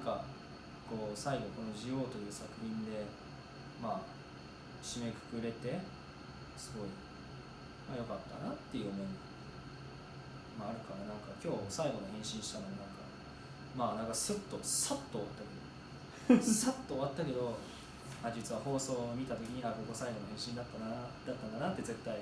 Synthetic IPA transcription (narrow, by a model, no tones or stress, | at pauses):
aŋka | ko̞ːsaiɡo̞ko̞no̞ʑijo̞ːt̪o̞jɯ̟ːsakɯ̟çĩnd̪e̞ | maː | ɕime̞kɯ̟̥kɯ̟ɾe̞t̪e̞ | sɨɡo̞i | majo̞kat̪ːa̰nat̪ːe̞jɯ̟omo̞i | maːɾɯ̟kaɾanãŋkakʲo̞ːsaiɡo̞nohẽɕĩɰ̃ɕi̥t̪anoonãŋka̰ | maːnãŋkasɨt̪ːo̞sat̪ːo̞ːβa̰t̪ːake̞d̪o̰ | sat̪ːo̞ːβat̪ːake̞d̪o̞ | aːd͡ʑit͡sɨβaho̞ːso̞ːmʲit̪at̪o̞kʲiɲ̟iakoɡo̞saiɡo̞nohẽɕĩnd̪at̪ːanad̪̥at̪ːãnd̪anat̪ːe̞ze̞t̪ːai